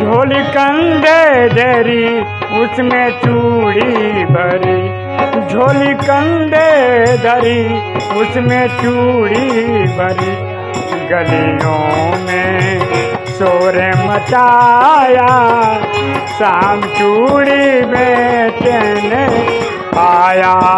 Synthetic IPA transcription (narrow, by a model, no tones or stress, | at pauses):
d͡ʒʱoːlikə̃nɖ̪ed̪ʱeːɾi | ʊsmẽt͡ʃuːɽibʱəɾi | d͡ʒʱoːlikə̃nɖ̪ed̪ʱəɾiʊsmẽt͡ʃuːɽibʱəɾi | ɡɐliõmẽ | soːɾemət̪ajaː | saːmt͡ʃuːɽibet̪ene | aːjaː